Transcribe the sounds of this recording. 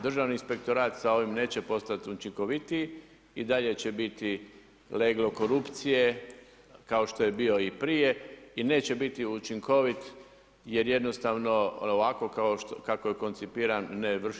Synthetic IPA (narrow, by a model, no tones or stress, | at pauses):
d̪r̩ʒaʋniinspe̞k̚t̪o̞ɾaːt̪sao̞ʋimne̞ːt͡ɕe̞po̞st̪at̪ut͡ʃiŋko̞ʋit̪i | id̪aʎe̞t͡ɕe̞bit̪i | leɡlo̞ko̞ɾupt̪sije̞ | kao̞ʃt̪o̞je̞biːo̞ipɾije̞ine̞ːt͡ɕe̞bit̪iut͡ʃiŋko̞ʋit̪ | je̞ɾje̞d̪no̞st̪aʋno̞oʋako̞kaoʃt̪kakojeko̞nt̪sipiːɾanːeʋr̩